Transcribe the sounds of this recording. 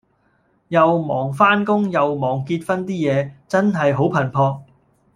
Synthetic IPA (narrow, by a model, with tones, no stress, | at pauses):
jɐ˨wmɔː˨˩ŋfaː˥nkʊ˥ŋjɐ˨wmɔː˨˩ŋkiː˧t̚fɐ˥nt̪iː˥jɛː˨˧t͡sɐ˥nɦɐ˨jɦo˨˥wpʰɐ˨˩npʰɔː˧k̚